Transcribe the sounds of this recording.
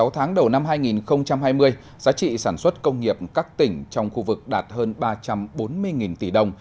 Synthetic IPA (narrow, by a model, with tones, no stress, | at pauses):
a˨˦wt̪ʰaː˨˦ŋɗə˨˩wna˧mɦaː˧jŋi˨˩nxə˧wŋ͡mt͡ɕa˧mɦaː˧jmɨ˧əj | zaː˨˦t͡ɕḭ˧˨saː˧˩nswə˦˥t̚kə˧wŋ͡mŋi˨˩əp̚kaː˦˥k̚t̪ï˧˩ŋ̟t͡ɕɔ˧wŋ͡mxu˧vɨ˨˩k̚ɗaː˨˩t̚həː˧nɓaː˧t͡ɕa˧mɓo˨˦nmɨ˧əjŋi˨˩nt̪i˧˩ɗə˧˩wŋ͡m